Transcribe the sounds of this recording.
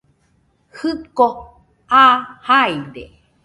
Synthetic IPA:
hɨko | ʔahajd̪e

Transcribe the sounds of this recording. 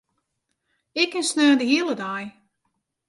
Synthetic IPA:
ɪkːɪnsnøːndəɦiəlˠədaj

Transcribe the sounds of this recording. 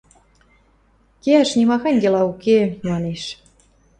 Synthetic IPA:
keæʃnimɑxɑŋɡelɑukemɑneʃ

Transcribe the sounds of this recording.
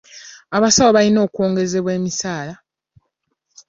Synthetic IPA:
aβasawoβalino̞ːkwoːŋɡe̞ze̞βwe̞ːmisaːla

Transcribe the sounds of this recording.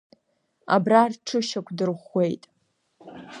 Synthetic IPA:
a̰brarʈ͡ʂʰɨʃakʷʰʼdɨrχʷe̞jtʼ

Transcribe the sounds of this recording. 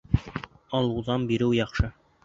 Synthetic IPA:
ɑlˠɤ̆wðɑnbiɾɘwjɑχʃɤ

